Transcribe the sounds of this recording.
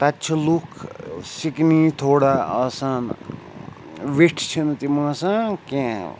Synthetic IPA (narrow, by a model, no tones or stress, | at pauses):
t̪atːt͡ʃʰɐlukʰsiknit̪ʰoːɽaʌsan | ʋiʈʰt͡ʃʰint̪imãsãkẽ